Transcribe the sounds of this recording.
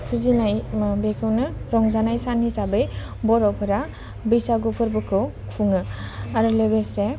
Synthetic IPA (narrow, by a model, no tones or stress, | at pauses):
kʰɯzinajbekʰɯwnɯɾɔŋzanajsanisabɯj | bɔɾɔwpʰɯɾa | bijsaɡupʰɯɾbɯkʰɯwkʰuŋɯaɾɯlebese